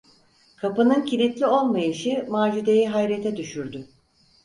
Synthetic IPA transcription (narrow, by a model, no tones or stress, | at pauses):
kʰapɯnɯncʰilʲit̪lʲio̞lˠmajɯʃimaːd͡ʒyd̪e̞jiɦajɾet̪ʰɛd̪yʃyɾd̪y